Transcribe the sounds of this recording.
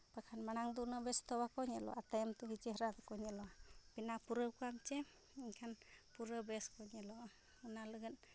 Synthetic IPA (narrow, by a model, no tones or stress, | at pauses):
pakʰanmanaŋd̪unəbɛst̪ɔwakɔɲɛlɔ̰ʔat̪ajəmt̪uɡit͡ʃeɦɾat̪kɔɲɛlɔpinapuɾəkuamt͡ʃɛ | iɲkʰanpuɾəbɛskɔɲɛlɔ | ɯnalɯɡɯn